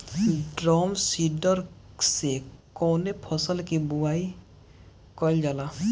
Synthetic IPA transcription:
ɖɾɔmsiɖɔɾ | sekɔwnepʰɔsəlkibuai | kɔld͡ʒala

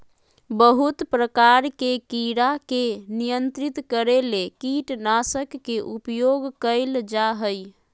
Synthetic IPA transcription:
bəɦut̪pɾəkaɾkekiɾakenijənt̪ɾit̪kəɾelekiʈnasəkːeʔupjoɡkəɪld͡ʒaɦəj

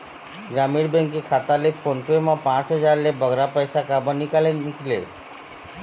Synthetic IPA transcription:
ɡɾamiɽbẽŋkekʰat̪alefʰonpemãpãt͡sɦəd͡zaɾlebəɡɾapəjsakabənːikalenmiklḛ

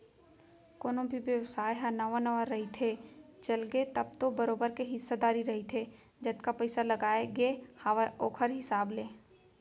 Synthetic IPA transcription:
koːnõbʱiʋjəʋsaːjɦɐnaʋanəʋəɾɐɦit̪ʰet͡ʃɐlɡet̪ɐb̚t̪obəɾoːbəɾkeɦɪsːad̪aːɾiɾɐɦit̪ʰe | d͡ʒɐt̪kapəɪsalɐɡaːeɡehaːʋaoːkʰəɾɦɪsaːbleː

